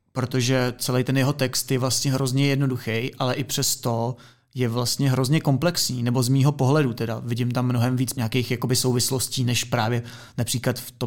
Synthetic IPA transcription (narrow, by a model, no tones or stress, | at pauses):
pɾot̪o̞ʒɛt͡sɛlɛjt̪ɛnjɛɦo̞t̪ɛkst̪jɛvlast̪ɲɛɦɾo̞zɲɛjɛdno̞duxɛjʔalɛʔɪpr̥ɛst̪o̞ | jɛvlast̪ɲɛɦɾo̞zɲɛko̞mplɛksɲiːnɛbo̞zmiːɦo̞po̞ɦlɛdut̪ɛda̰vɪɟɪmt̪amːnoɦɛmviːt͡sɲaːkejxjako̞bɪso̞wvɪslo̞sciːnɛʃpɾaːvjɛ | napr̝̥iːklat̪ft̪o